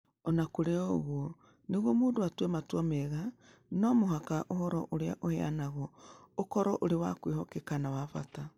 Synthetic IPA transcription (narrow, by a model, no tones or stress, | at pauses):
ɔnakoɾeɔɣwo | neɣwomuːndoatwematwameɣa | nomoɦakaʔohɔɾɔ̰ʔoɾea̰ʔohea̰naɣɔokɔɾɔʔoɾewakwehɔkekanawafata